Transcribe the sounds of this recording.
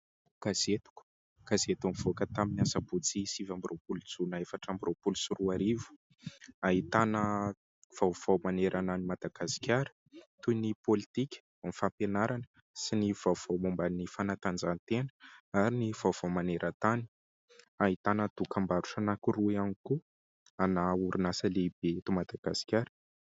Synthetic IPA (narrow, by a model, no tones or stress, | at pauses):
kazet̪u̥ku̥ | kazet̪amvokət̪aminiasaput͡sisivambiropulut͡sunaefaʈ͡ʂambiropulusiruaɾivu̥ | aɦit̪anə | v̥awv̥awmaneɾʔananimad̪aɡ̥asi̥kʲaɾə̥ | t̪unipolit̪ikʲə̥ | amifampenaɾanə | siniv̥av̥awmumbanifanat̪and͡zant̪enə̥aɾiniv̥awv̥awmaneɾʔət̪ani | aɦit̪anəd̪̥ukambaɾuʈ͡ʂanakiruianiku | anauɾinasəleb̥et̪umad̪̥aɡ̥asi̥kʲjaɾə̥